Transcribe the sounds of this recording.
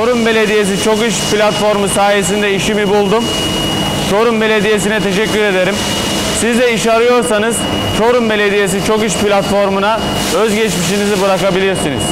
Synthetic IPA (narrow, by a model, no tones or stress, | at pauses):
t͡ʃʰoɾumbe̞lʲe̞d̪ijesit͡ʃʰo̞kɯʃpʰlʲat̪fo̞ɾmusaːjes̬ind̪ɛiʃimibulˠd̪um | t͡ʃʰo̞ɾumbe̞lʲe̞d̪ije̞sinɛt̪ʰe̞ʃ̬ɛcʲːyɾe̞d̪e̞ɾim | sizd̪ɛiʃaɾɯjo̞ɾsanɯz | t͡ʃʰo̞ɾumbe̞lʲe̞d̪ije̞s̬it͡ʃʰo̞kɯʃplʲat̪fo̞ɾmuna | øzɟɛt͡ʃmiʃinizibuɾakabilʲiɾsinḭz̥